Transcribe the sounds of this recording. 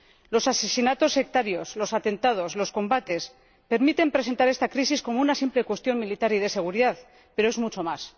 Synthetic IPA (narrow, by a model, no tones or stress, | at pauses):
lo̞sase̞sinat̪o̞sːe̞k̚t̪aɾjo̞slo̞sat̪e̞nt̪að̞o̞slo̞sko̞mbat̪e̞s | pe̞ɾmit̪e̞mpɾe̞s̬e̞nt̪aɾe̞st̪akɾisisko̞mo̞unasimple̞kwe̞st̪jo̞mmilit̪aɾiðe̞se̞ɣ̞uɾiðað | pe̞ɾo̞e̞zmut͡ʃo̞mas